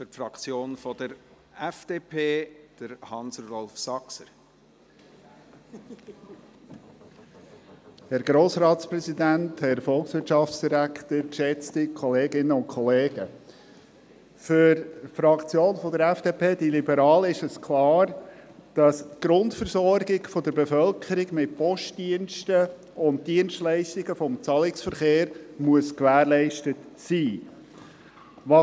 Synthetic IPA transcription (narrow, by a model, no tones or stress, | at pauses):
fʏfɾɑkt͡sjoːnfɔd̥əɾ | ɛfd̥eːpʰeːd̪̥əɾhɑnsrɔlfsɑksəɾ | hɛɾɡɾoːsɾɑːtspɾɛzidænthɛɾfɔlˠksʋɪtʃɑft͡ssd̥iɾæktəɾkʃɛt͡stikʰɔleːɡɪnəʊnkʰɔleːɡə | fʏɾfɾɑkt͡sjoːnfɔd̪əɾɛfd̥epʰeːd̥ilibəɾɑːlɪʃɛskʰlɑːɾd̥ɑsɡ̥ɾʊntfəɾsɔɾɡɪɡfɔd̪əɾbefœlkʰəɾɪɡmɪt̚pɔʃtdiənstə | ʊnt̚diənstlɛɪstɪɡəfɔmt͡sɑːlɪksfəɾχeːɾmuəskʋæːɾlɛɪʃtətsiː | ʋɑ